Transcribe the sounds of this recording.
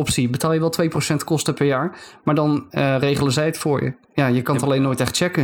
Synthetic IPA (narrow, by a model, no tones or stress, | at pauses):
ɔpsibətaːlˠjəʋɛlˠtʋejprowsɛntkɔstəpɛɹjaːɹmaːɹdɑnrejχələzɛjətfʊːɹjə̰ | jaːjəkɑntɑlejnːoːjtɛχtt͡ʃɛkə